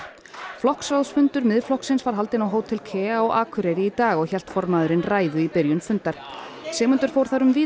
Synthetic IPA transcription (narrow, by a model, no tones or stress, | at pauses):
flɔhksawðsfʏnt̪ʏɾmɪðflɔhksɪnsvaɾ̥ɦal̪t̪ɪnawɦoːwt̪ʰːɪlkʰɛːaɔɣʔaːkʰʏɾeɾiit̪aːɣɔɣçɛl̥t̪fɔɾmaðʏɾɪnraːjðʏipɪɾjʏnfʏnt̪aɾ̥ | sɛːmʏnt̪ʏɾ̥fowɾ̥θaɾʏmviː